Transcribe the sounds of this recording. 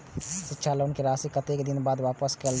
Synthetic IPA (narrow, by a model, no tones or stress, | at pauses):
ʃɪtːʃʰaloʊnkeɾaːsikət̪eːkd̪ɪnbaːd̪ʋaːpəskel